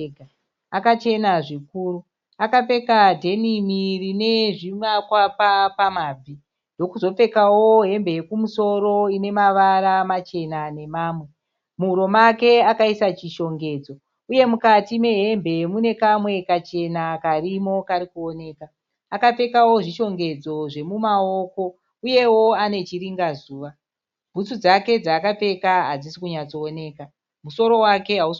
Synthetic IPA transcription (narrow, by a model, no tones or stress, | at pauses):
ɡa | akat͡ʃe̞naʐikuːru | akap͡fe̞kadʱe̞nimirine̞ʐiʋakwapapamaːb͡vʱi | ndo̞kuzo̞p͡fe̞kawo̞ɦe̞mbe̞jekumuso̞ro̞ine̞maʋaɾamat͡ʃe̞nane̞maːmwe̞ | muuɾo̞make̞akaisat͡ʃiʃo̞ŋɡe̞ːd͡zo | uje̞mukatime̞ɦe̞mbʱe̞mune̞kamwe̞kat͡ʃe̞nakarimo̞kaɾikuone̞ːkaː | kap͡fe̞kawo̞ʐiʃo̞ŋɡe̞d͡zo̞ʐe̞mumao̞ko̞ | uje̞wo̞ane̞t͡ʃiɾiŋɡazuːʋa | bʱut͡sud͡zake̞d͡zaːkap͡fe̞kaɦad͡zisi̥kuɲat͡soːne̞ːka | muso̞ɾo̞wake̞ɦau